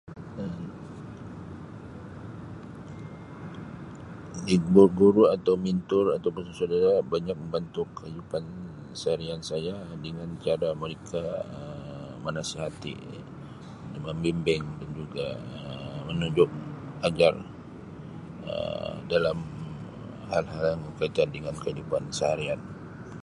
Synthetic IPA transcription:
ə | dibuɡuɾuat̪awmint̪ʊrat̪awpəsusodaɾabaɲak̚məmbant̪ʊkajupan | saɾiansajadəŋant͡ʃaɾaməɾekaə | mənasiɦat̪ḭ | dəŋəmbimbɪŋdand͡ʒuɡa̰əmənuɲd͡ʒʊk̚ad͡ʒar | ə̰dalam | halɦaljaŋkəkait̪andəŋankəidupansəɦaɾian

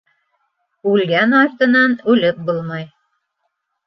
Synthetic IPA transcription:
ʉlɡænɑɾt̪ɤ̆nɑnʉlɘp̚bolˠmɑj

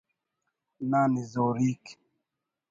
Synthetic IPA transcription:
nanizɔɾik

